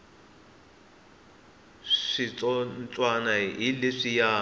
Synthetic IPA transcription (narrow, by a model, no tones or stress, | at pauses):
ʂit͡sʼɔnt͡sʼwanaileʂija